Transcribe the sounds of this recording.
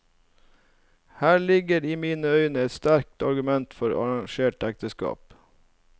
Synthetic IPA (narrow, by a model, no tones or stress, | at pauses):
hæːɭɪɡəɾiːmiːnəœʏnəɛt̪st̪æɾk̚t̪ɑɾɡʉmɛnt̪fɔɾɑ̰ɹɑŋʃeːʈɛk̚t̪əskɑ̰ːp